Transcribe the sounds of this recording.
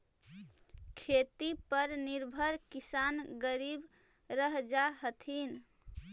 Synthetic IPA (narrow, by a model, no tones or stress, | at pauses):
kʰet̪ipəɾniɾbʱəɾkisanɡəɾib | ɾəɦd͡ʒaɦət̪ʰin